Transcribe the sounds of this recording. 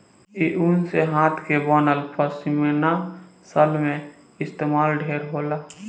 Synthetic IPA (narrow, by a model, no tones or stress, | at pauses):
iʔunseɦãːt̪ʰkebaːnəlpʰəsimenasəlmẽ | ɪst̪eːmaːlɖʱeːɾɦoːlaː